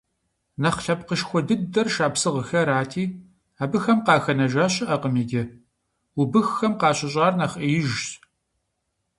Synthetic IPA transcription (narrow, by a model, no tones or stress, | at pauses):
nɐχɬɐpqəʃxʷɔdɨddɐrʃaːpsɨʁəxɐɾaːtʰiː | aːbɨxɐmqɑːxɐnɐʒaːɕʼɪʔɐqəmiːɡʲɪ | ubɨxxɐmqɑːɕɪɕʼɑːrnɐχʔijɪʒɕ